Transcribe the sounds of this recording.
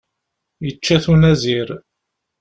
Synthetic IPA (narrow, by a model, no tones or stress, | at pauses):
jət͡ʃːæθunæziɾ